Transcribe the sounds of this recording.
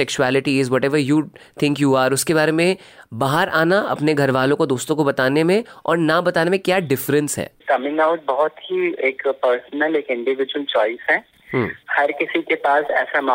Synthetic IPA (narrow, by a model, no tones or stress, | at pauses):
sɛkʃuɛːlɪʈiɪzʋɔːʈɛːʋəɾjuːt̪ʰɪ̃ŋkjuːaːɾʊskebaːɾemẽbaːɦəɾʔaːnaɐ̰pneɡʱɐɾʋaːlõkod̪oːst̪õkobɐt̪aːnemẽɔ̰ːɾnabɐt̪aːnemẽkjaːɖɪfɾə̃nsɦɛ̰ːkɐmɪ̃ŋɡaʊʈ̚bɔɦɔt̪ɦieːkpəɾsnəleːkɪ̃ɳɖɪʋɪd͡ʒuwəlt͡ʃɔːɪsɦɛ̃ː | ɦːhɐɾkɪsikepaːsɛːsama